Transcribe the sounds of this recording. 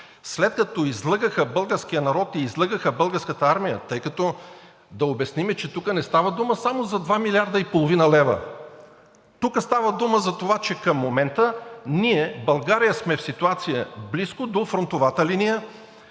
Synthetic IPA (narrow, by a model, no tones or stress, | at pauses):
slɛt̪̚kɐt̪ɔizlˠəɡəxəbɤlˠɡəɾsk̟ijənɐɾɔt̪iːzlˠəɡəxəbɤlˠɡəɾskət̪əaɾmijə̰t̪ɤjkɐt̪ɔ | d̪ɐobɛsnimɛt͡ʃɛt̪ukənɛst̪avəd̪uməsamozɐd̪vamilʲiaɾd̪əipolˠovinəlɛvə̰ | t̪ukəst̪avəd̪uməzɐt̪ovat͡ʃɛkəmːomɛnt̪əniɛbɐlˠɡaɾijəsmɛfsit̪uat̪sijəbliskʊd̪ofɾont̪ovat̪əlinijə